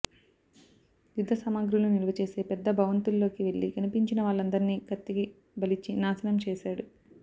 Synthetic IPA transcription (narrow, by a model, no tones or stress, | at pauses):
jud̪ʱːɐsɐmaːɡɾulunilɐʋɐt͡ʃe̞ːse̞ːpɛd̪ːɐbʱɐʋɐnt̪ulːo̞ːkiʋe̞ɭːikɐnipiɲt͡ʃinɐʋaːɭːɐnd̪ɐɾiniːɡɐt̪ːiɡi | bɐlit͡ʃːinaːsɐnɐmt͡ʃɛːʃaːɽu